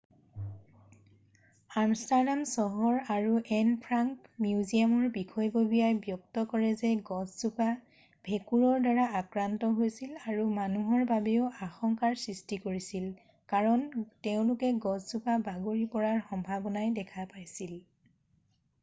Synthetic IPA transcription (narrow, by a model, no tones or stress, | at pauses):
amstadamsɔɦɔɹaɹuʔɛnpʰɹaŋkmiuzijamɔɹbikʰɔjbobijajbjɔk̚tɔkɔɹɛzɛɡɔzzupa | b̥ʱekuɹɔɹdaɹaakɹantɔɦojsilaɹumanuɦɔɹbabeʊaxɔŋkaɹsɹistikoɹisil | kaɹɔnteʊ̃lʊkɛɡɔzzupabaɡoɹipɔɹaɹxɔmbʱabɔnajdɛkʰapajsil